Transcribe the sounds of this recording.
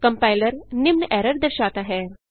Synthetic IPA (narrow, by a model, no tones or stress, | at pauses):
kɐmpaːjləɾnimnʔɛːɾəɾd̪ɐɾʃaːt̪aɦɛːɾ